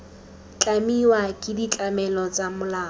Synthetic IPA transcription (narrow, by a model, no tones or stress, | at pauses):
t͡ɬʼamiwakʼɪdit͡ɬʼamɛlɔt͡sʼamʊlaː